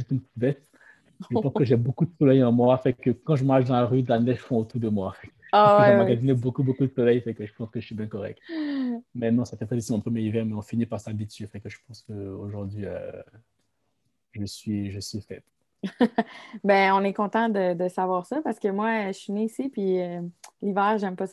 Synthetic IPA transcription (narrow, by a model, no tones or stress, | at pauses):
it̪ynp̪bɛt̪ | ʒəpɑ̃skəʒɛbokud̪əsɔlɛjɑ̃mwafɛ̃kəkɑ̃ʒəmaʁʃd̪ɑ̃laʁyd̪lanɛʒəfɔ̃ot̪uʁd̪əmwafɛk | awɛamaɡazinebokubokud̪əsɔlɛjfɛ̃kəʒəpɑ̃skəʒəsibjɛ̃kɔʁɛ̰k̚t̪ | mɛnɔ̃safɛpχɛd̪isimɔ̃pχəmjɛʁivɛʁmɛɔ̃finipaʁsabit̪ɥefɛ̃kəʒəpɑ̃skəoʒuʁd̪ɥiø̰ | ʒəsɥiʒəsɥifɛt̪ | bɛ̃ɔ̃nɛkɔ̃t̪ɑ̃d̪əd̪əsavwaːʁsɔpaʁsə̥kəmwaʃineːsipɥiølivɛːʁʒɛmpɔs